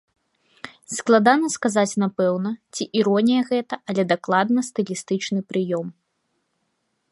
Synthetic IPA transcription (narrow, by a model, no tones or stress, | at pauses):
sklˠad̪anɐskazat͡sʲnapɛwnɐt͡sʲiʔiɾɔnʲijɐɣɛt̪ɐʔalʲɛd̪aklˠad̪nɐst̪ɨlʲist̪ɨt͡ʂnɨpɾɨjɔm